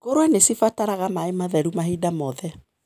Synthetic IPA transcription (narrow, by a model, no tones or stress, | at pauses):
koɾwɛnesifataɾaɣamaemaðɛɾumaɦidamɔðɛ